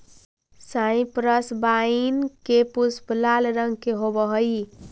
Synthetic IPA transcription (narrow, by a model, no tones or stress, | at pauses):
sajĩpɾəsbainkepusblalɾəŋɡkeɦobəɦəj